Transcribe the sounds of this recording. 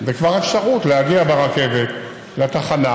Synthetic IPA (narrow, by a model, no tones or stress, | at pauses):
zekvaʁefʃaʁutlehaɡiabeʁake̞vet̪ | leat̪aχana